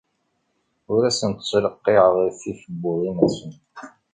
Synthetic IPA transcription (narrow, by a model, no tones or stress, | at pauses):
ʊɾæsənt̪sˤləqːeʁəʁɾθiθəbːʊðˤinæsən